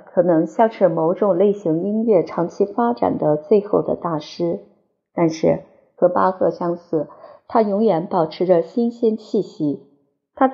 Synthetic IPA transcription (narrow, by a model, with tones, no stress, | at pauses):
kʰɤ˨˩nɤ˧˥ŋɕjɑ˥˧ŋʂɻ̩˥˩mo˧˥ʊʈ͡ʂʊ˨˩ŋle˥˩ɪɕi˧˥ŋi˥nɥɛ˥˩ʈ͡ʂʰɑ˧˥ŋt͡ɕʰi˥fa˥ʈ͡ʂa̰˨˩nd̪ə˦t͡swe˥˧ɪxo˥˩ʊd̪ə̰˩t̪a˥˩ʂɻ̩˥ | t̪a˥˧nʂɻ̩˥˩ | xɤ˧˥pa˥xɤ˥˧ɕjɑ˥ŋsɹ̩˥˩t̪ʰa˥jʊ˧˥ŋɥɛ˧˥npɑ˨˩ʊʈ͡ʂʰɻ̩˧˥ʈ͡ʂə˧ɕi˥nɕi˥nt͡ɕʰi˥˩ɕi˧˥ | t̪ʰa˥